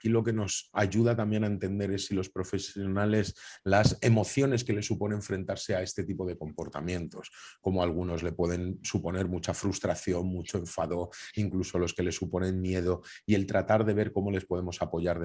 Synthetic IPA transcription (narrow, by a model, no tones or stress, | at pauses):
akilo̞ke̞no̞saʝuðat̪ambje̞naent̪e̞nd̪e̞ɾe̞silo̞spɾo̞fe̞sjo̞nale̞slasemo̞θjo̞ne̞ske̞le̞sːupo̞neɱfɾe̞nt̪aɾse̞ae̞st̪e̞t̪ipo̞ðe̞ko̞mpo̞ɾt̪a̰mjẽ̞nt̪o̞sko̞moalɣ̞uno̞zle̞pwe̞ðe̞nsupo̞ne̞ɾmut͡ʃafɾust̪ɾaθjo̞nmut͡ʃo̞e̞ɱfaðo̞iŋkluso̞lo̞ske̞le̞supo̞nẽ̞nmje̞ð̞o̞ie̞lt̪ɾat̪aɾðe̞β̞e̞ɾko̞mo̞le̞spo̞ð̞e̞mo̞sapo̞ʝaɾð